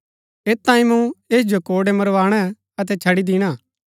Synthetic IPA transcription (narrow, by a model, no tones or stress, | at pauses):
eːt̪ːãːĩmũeːd͡ʒokoːɽemɐɾʋaːɽ̃ɛ | ɐt̪̬ɛt͡ʃʰɐɽid̪iːɽ̃aː